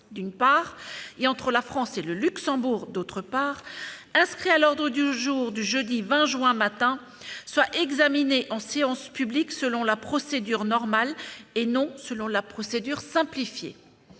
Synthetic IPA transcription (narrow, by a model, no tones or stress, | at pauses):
d̪ynpaʁeɑ̃t̪χəlafχɑ̃seləlyksɑ̃buʁd̪ot̪χəpaːʁɛ̃skχialɔʁd̪ʁəd̪yʒuːʁd̪yʒød̪ivɛ̃ʒɥɛ̃mat̪ɛ̃ | swaʔɛɡzamineʔɑ̃seɑ̃spybliksəlɔ̃lapχɔsed̪yʁnɔʁmalenɔ̃səlɔ̃lapχɔsed̪yʁsɛ̃plifjḛ